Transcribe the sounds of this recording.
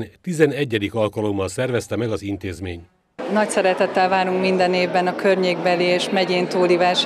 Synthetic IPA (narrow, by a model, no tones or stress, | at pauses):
nt̪izɛnɛɟːɛd̪ikɒlkɒlomːɒlsɛrvɛst̪ɛmɛɡɒzint̪eːzmeːɲ | nɒcsɛɾɛt̪ɛt̪ːɛlvaːɾuŋkmind̪ɛneːvbɛnɒkørɲeːɡbɛlieːʃmɛɟeːnt̪uːlivaːʃ